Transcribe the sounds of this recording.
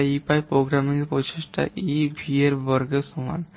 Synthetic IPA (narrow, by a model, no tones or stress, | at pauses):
ipajpɾoɡɾamiŋpɔt͡ɕeʃʈa̰ʔibʱieɾbɔɾɡesuŋa̰n